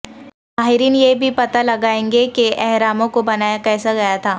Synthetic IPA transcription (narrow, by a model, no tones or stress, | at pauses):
maːɦɪɾiːnjebʱipɐt̪alɐɡaːẽːŋɡekeʔɛɦɾaːmõkobɐnaːjakɛːsaɡɐjat̪ʰaː